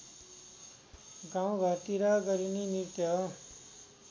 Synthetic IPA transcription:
ɡaw̃ɡʱʌt̪iɾaɡʌɾinimiʈjʌ

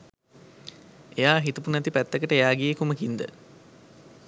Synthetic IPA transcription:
ejaːɦit̪upunæt̪ipæt̪ːəkəʈəejaːɡijekuməkind̪ə̰

